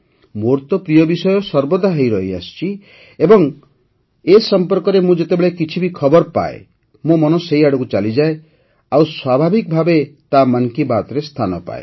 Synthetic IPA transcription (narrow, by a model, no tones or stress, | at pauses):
moɾt̪ɔpɾijɔbisɔjɔsɔɾbɔd̪ʱaɦejɾɔɦia̰st͡ʃi | ebɔŋ | esɔmpɔɾkɔɾemũd͡ʒet̪ebeɭekit͡ʃʰibikʰɔbɔɾpa̰ḛ | mũmɔnɔsejaɽɔkut͡ʃalid͡ʒae | awswabʱabʱik̚bʱabet̪amaŋkibat̪ɔɾest̪ʰanɔpa̰e